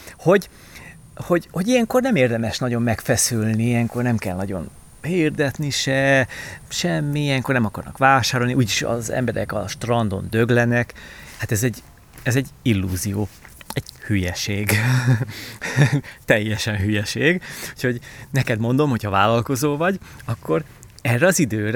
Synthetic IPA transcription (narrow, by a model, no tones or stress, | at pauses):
ho̞ɟ | ho̞ɟho̞ɟijɛŋko̞rnɛmeːrd̪ɛmɛʃnɒɟo̞mːɛkfɛsylniijɛŋko̞rnɛmkɛlnɒɟo̞̰n | eiːrd̪ɛt̪niʃɛ | ʃɛmːiijɛŋkornɛmɒkɒrnɒ̰kʋaːʃaːɾo̞lniʔuːɟiʃɒ̰zɛ̰mbɛɾɛ̰kɒ̰ʃt̪rɒnd̪o̞̰nd̪ø̞ɡlɛnɛkhat̪ɛzɛɟː | ɛzɛɟːilːuːzijoː | ɛɟ̥hyjɛʃeːɡ | t̪ɛjːɛʃɛnɦyjɛʃeːɡucʰho̞ɟnɛkɛd̪mo̞nd̪o̞mhochɒvaːlɒlko̞zoːvɒɟɒkːo̞r | ɛrːɛɒzid̪øːɾ